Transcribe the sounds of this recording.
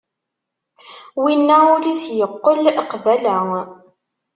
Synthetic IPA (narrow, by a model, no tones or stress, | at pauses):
winːæulisjəqːəlqvælæŋ